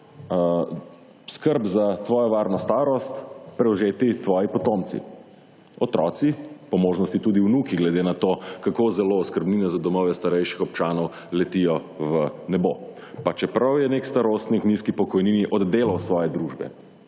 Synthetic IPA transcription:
skəɾbzat̪ʋɔːjɔʋaːɾnɔst̪aːɾɔst̪pɾɛwzeːt̪it̪ʋɔːjipɔt̪omt̪sḭ | ɔt̪ɾɔ̰ːt̪sipɔmoːʒnɔst̪it̪uːd̪iwnuːkiɡlɛd̪eːnat̪oːkakozɛloskəɾbninazad̪ɔmɔʋɛst̪aɾɛjʃixɔp̚t͡ʃaːnɔw | lɛt̪ijɔ | ʋənɛbo | pat͡ʃɛpɾɐwjɛneːkst̪aɾost̪nikniskipɔkɔjniːniʔɔd̪d̪eːlawsʋɔːjɛd̪ɾuʒbɛ̰

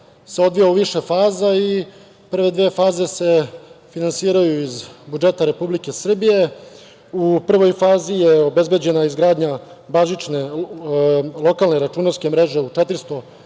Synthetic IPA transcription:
seo̞d̪ʋijauʋiʃe̞faːzai | pr̩ʋe̞d̪ʋeːfaːze̞se̞finansiːɾajuizbud͡ʒe̞t̪aɾe̞publike̞sr̩bije̞ | upr̩ʋo̞jfaːzijeo̞be̞zbe̞d͡ʑe̞naizɡɾaːd̪ɲa | baʒit͡ʃne | lˠo̞kalneɾat͡ʃunalske̞mɾe̞ʒe̞ut͡ʃet̪ɾ̩st̪o̞

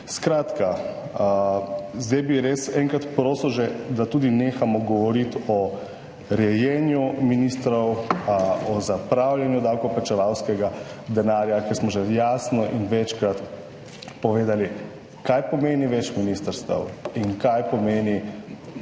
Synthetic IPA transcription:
skɾaːt̪ka | zd̪ɛjbiɾesɛŋkɾat̪pɾoːsəwʒɛd̪at̪uːd̪ineːxamɔɡɔʋɔɾit̪ɔ | ɾɛjɛnjuminist̪ɾɔw | ɔzapɾawljɛnjud̪awkɔplat͡ʃɛʋawskɛɡad̪ɛnaːɾjakɛɾsmɔʒɛjaːsnɔʔinʋɛt͡ʃkɾat̪ | pɔʋeːd̪ali | kajpɔmeːniʋɛt͡ʃminist̪əɾst̪ə̰wiŋkajpɔmeːni

